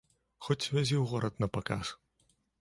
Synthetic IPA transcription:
xɔt͡sʲvʲazʲiwɣɔɾɐt̪nɐpakaʂ

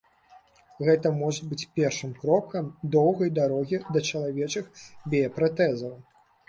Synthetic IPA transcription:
ɣɛt̪ɐmɔʐɐbɨt͡sʲpʲɛrʂɨmkɾɔkɐmd̪ɔwɣɐjd̪aɾɔɣʲid̪ɐt͡ʂɐlˠavʲɛt͡ʂɨxbʲɛɐpɾat̪ɛzɐw

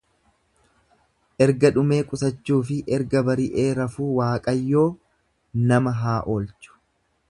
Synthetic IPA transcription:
ʔɛɾɡɐᶑʊme̞ːkʼʊsɐt͡ʃːuːfɪʔɛɾɡɐbɐɾɪʔe̞ːɾɐfuːwaːkʼɐjːo̞ː | nɐmɐɦaːʔoːlt͡ʃʊ̥

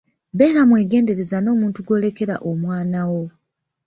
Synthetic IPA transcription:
beːɾamwe̞ːɡe̞ːnde̞ɾe̞zano̞ːmuːntuɡwo̞ːle̞ke̞ɾa̰ʔomwaːnawo̞

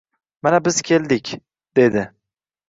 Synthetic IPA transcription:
manabɪz̥kʲʰeld̪ɪkʲ | d̪̥e̞d̪ɪ

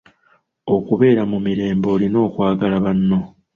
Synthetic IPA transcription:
o̞kuβe̞ːɾamumiɾe̞ːmbo̞ːlino̞ːkwaːɡalaβanːo̞

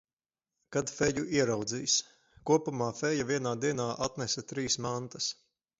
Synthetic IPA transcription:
kad̪fɛjuʔiɛɾawd̪ziːs | kuɔpumaːfɛjavʲiɛnaːd̪iɛnaːʔat̪nɛsɐt̪ɾiːsmant̪ɐs

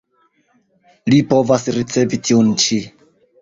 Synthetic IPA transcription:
lipo̞vasɾit͡se̞vitʰiunt͡ʃi

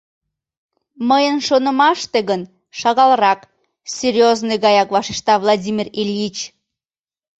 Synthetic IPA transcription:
məjənʃonəmɑʃt̪eɣən | ʃɑɣɑlˠrɑk | sʲerʲjoznojɣɑjɑkvɑʃeʃt̪ɑvlˠadʲimʲirilʲit͡ɕ

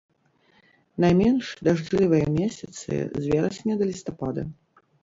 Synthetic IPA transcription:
najmʲɛnʂd̪aʐlʲivɨjɐmʲesʲɐt̪sɨ̰zʲvʲɛɾɐsʲnʲɛd̪ɐlʲist̪apad̪ɐ̰

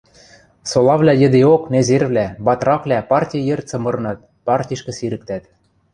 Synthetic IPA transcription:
solˠɑβlʲæjɘ̆d̪eoknezerβlʲæbɑt̪rɑklʲæpɑrtʲijjert͡sɤ̆mɤ̆ɾɤ̆nɑt̪̚ | pɑrtʲiʃkɘ̆siɾɘ̆k̚t̪æt̪

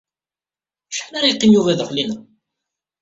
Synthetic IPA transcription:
ʃħənaɾajqːimjuvæðəχlinə

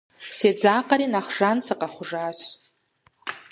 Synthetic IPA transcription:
sed͡zaqʼaɾinaχʐansaqʼaχʷʊʐaʃ

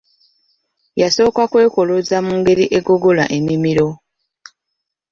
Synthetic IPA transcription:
jaso̞ːkakwe̞ːko̞lozamuːŋɡe̞ɾiʔe̞ɡo̞ɡo̞la̰ʔe̞mimiɾo̞

